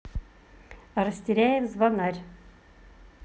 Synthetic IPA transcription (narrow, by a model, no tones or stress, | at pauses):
aɾɐsʲtʲɪɾʲæjɪmzvanarʲ